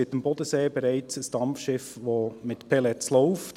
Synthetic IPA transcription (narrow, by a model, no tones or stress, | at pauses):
ɪtəmbɔdəseːbɛɾæɪt͡səsd̥ɑmfʃɪfʋomɪtpʰɛlɛt͡sloʊft